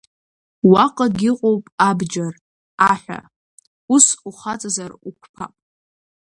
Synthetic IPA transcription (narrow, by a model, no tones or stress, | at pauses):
waqʼaɡʲiqʼowpʼabd͡ʒar | aħʷᶣa̰ | usuχat͡sʼazarukʷʰpʰapʼ